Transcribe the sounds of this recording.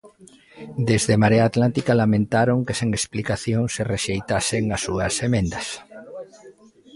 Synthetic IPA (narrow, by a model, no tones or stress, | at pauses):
d̪ezðemaɾeaːt̪lant̪ikalamẽnt̪aɾoŋkeseŋesplikaθjoŋsereʃejt̪aseŋasːuɐsemẽnd̪ɐs